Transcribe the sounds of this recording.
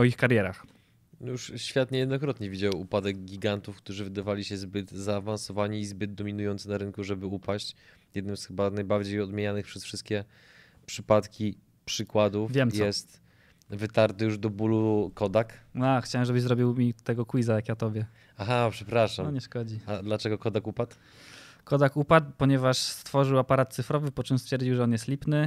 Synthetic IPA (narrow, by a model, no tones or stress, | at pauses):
ɔixkaɾjɛɾax | juʂɕfʲjat̪ɲɛjɛd̪nɔkɾɔt̪ɲɛvʲid͡ʑawupad̪ɛɡɡʲiɡant̪ufkt̪uʐɘvɘd̪avalʲiɕɛzbɘd̪zaːvansɔvaɲiːzbɘd̪̚d̪ɔmʲinujɔnt̪snaɾɘŋkuʐɛbɘupaɕt͡ɕ | jɛd̪nɘmsxɘbanajbaɾd͡ʑejɔd̪mʲjeɲanɘxpʂɛsfʂɘst̪kʲɛ | pʂɘpat̪kʲi | pʂɘkwad̪ufvʲjɛmj̪ɛst̪ | vɘt̪aɾt̪ɘjuʐd̪ɔbulukɔd̪akaxt͡ɕawɛmʐɛbɘzɾɔbʲiwmʲit̪ɛɡɔkwizajakjat̪ɔbʲjɛ | axapʂɛpɾaʂamɔɲɛʂkɔd͡ʑiad̪lat͡ʂɛɡɔkɔd̪akupat̪ | kɔd̪akupat̪̚pɔɲɛvaʂst̪fɔʐɘwapaɾat̪̚t̪sɘfɾɔvɘpɔt͡ʂɘmst̪fʲɛɾd͡ʑiwʐɛɔnjɛst̪lʲipnɘ